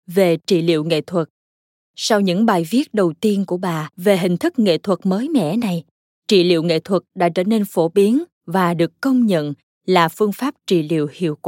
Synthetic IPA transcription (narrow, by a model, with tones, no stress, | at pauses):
ve˨˩t͡ɕḭ˧˨lḭ˧˨əwŋḛ˧˨t̪ʰwə˨˩t̚ | sa˧wɲɨ̰˧˥ŋɓaː˨˩jvi˦˥ət̚ɗə˨˩wt̪i˧ənku˧˩əɓaː˨˩ve˨˩ɦï˨˩ŋ̟t̪ʰɨ˦˥k̚ŋḛ˧˨t̪ʰwə˨˩t̚məː˨˦jmɛ̰˧˨na˨˩j | t͡ɕḭ˧˨lḭ˧˨əwŋḛ˧˨t̪ʰwə˨˩t̚ɗa̰ː˧˥t͡ɕəː˧˩ne˧nfo˧˩ɓi˨˦ən | vaː˨˩ɗɨ˨˩əkːə˧wŋ͡mɲə̰˧˨n | laː˨˩fɨ˧əŋfaː˦˥p̚t͡ɕḭ˧˨lḭ˧˨əwhḭ˧˨əwkwa˧˨